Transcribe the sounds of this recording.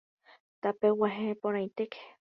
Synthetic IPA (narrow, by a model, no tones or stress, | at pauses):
t̪apewaɦẽpoɾ̃ãj̃t̪eke̥